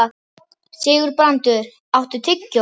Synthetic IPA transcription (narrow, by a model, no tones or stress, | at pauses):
sɪːɣʏɾpɾant̪ʏɾ | awht̪ʏt̪ʰɪcːɔ